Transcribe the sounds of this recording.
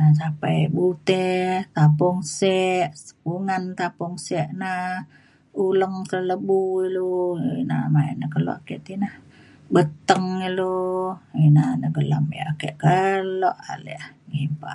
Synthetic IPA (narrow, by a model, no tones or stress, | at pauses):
as̬apajbut̪ɛt̪ap̬ɔŋsɛʔsə̥kuŋant̪apʊŋsɛʔna | uləŋt̪ələbuiluina̰mainəkəlɔ̰ʔakɛʔt̪inah | bət̪əŋiloinanəɡəlamḛʔakɛʔkəloʔa̰lɛ̰hɡimpa̰ʔ